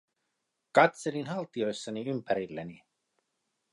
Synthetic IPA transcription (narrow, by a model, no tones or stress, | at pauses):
kɑt̪se̞linɦɑlt̪io̞jsːɑniympæɾilːeni